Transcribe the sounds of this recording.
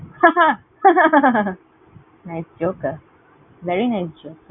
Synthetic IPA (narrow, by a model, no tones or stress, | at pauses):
haa | naɪsd͡ʒoːkə | ʋɛɾinaɪsd͡ʒoːk